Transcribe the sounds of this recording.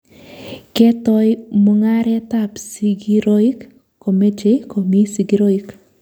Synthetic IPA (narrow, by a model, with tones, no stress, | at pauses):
ke˦tɔ˦jmoŋa˦ɾɛ˦ta˦psi˦ɡi˦ɾo˦i˦kː | o˨me˦d͡ʒe˦ko˨mi˦si˨ɡiɾo˦i˦k